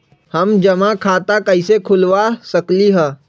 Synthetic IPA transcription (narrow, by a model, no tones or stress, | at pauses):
həmd͡ʒəmakʰaːt̪akəɪsekʰʊlʋasəkliɦɛ̃ː